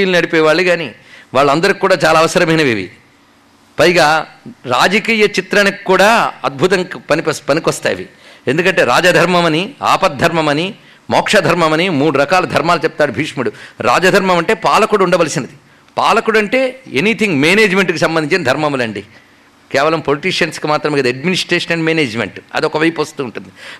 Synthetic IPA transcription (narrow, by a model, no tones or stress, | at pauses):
iːlnɐɽipɔːjʋaːɭːuɡaːnḭ | ʋaːɭːɐɐnd̪ɐɾikʲkːuːɽaːt͡ʃaːlaːʋɐsɐɾɐmɐjnɐʋiʋḭ | pɐjɡaːɾa̰ːd͡ʒɐkiːjɐt͡ʃit̪ɾɐnikkːuːɽaːɐd̪̚bʱut̪̬ɐŋkpɐnippɐnikʋɐst̪a̰ːjʋḭ | e̞nd̪ukɐɳʈe̞ːɾaːd͡ʒɐd̪ʱɐɾmɐmɐnia̰ːpɐt̪̚d̪ʱːɐɾmɐmɐni | mɔːkʂɐd̪ʱɐɾmɐmɐnimuːɽuɾɐkaːlɐd̪ʱɐɾmaːlut͡ʃɛp̚t̪aːɽubʱiːʂmuɽuɾa̰ːd͡ʒɐd̪ʱɐɾmɐmɐɳʈe̞ːpaːlɐkuɽuɳɖɐʋɐlisinɐd̪i | paːlɐkuɽɐɳʈe̞ːenit̪ʰiŋɡmeːneːd͡ʒme̞ɳʈkusɐmbɐniɲt͡ʃinɐd̪ʱɐɾmɐmulɐɳɖi | kɛːʋɐlɐmpoliʈiːʂɐnskimaːt̪ɾɐmeɡɐd̪iɐɖminisʈɾeːʂɐnɐɳɖmeːneːd͡ʒmḛɳʈɐ̰d̪iɔkɐʋɐjpuʋɐst̪uːɳʈund̪i